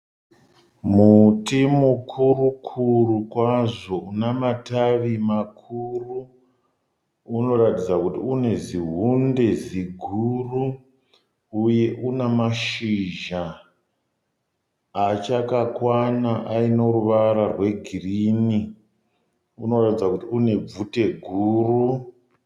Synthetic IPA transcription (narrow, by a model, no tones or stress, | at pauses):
mutimukʰurukʰurukwaʐo̞unamataʋimakʰuru | no̞ratid͡zakutiune̞ziɦunde̞ziɡʱuru | uje̞ʔunamaʃiʒa | t͡ʃakakwanaʔaino̞ruʋaɾarwe̞ɡʱirini | uno̞ratid͡zakutiune̞b͡vute̞ɡʱuːru